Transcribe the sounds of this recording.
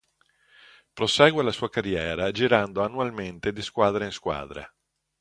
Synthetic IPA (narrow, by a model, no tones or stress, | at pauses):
pɾosɛːɡwealasuːakarːjɛːɾad͡ʒiɾand̪oanːualment̪ed̪iskwaːd̪ɾeiŋskwa̰ːd̪ɾḛ